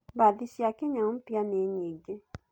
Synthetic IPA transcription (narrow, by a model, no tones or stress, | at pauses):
badisjakeɲãpjaneɲeɡe